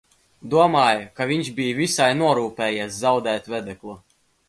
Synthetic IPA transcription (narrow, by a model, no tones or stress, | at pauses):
d̪uɔmaːjkavʲiɲʃbʲijvʲisajnuɔɾuːpɛːjeszawd̪ɛːt̪vʲɛd̪ɛklˠu